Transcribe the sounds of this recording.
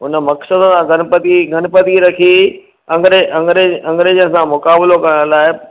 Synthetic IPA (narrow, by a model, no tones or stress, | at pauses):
ɦʊnə̆mɐksəd̪əsãɡʱɐnpət̪iɡʱɐnpɐd̪iɾɐkʰi | ɐ̃ŋɡɾeɐ̃ŋɡeɐ̃ŋɡɾeːd͡ʒəñsãmʊkaːblokɐɾɽ̃laːɪ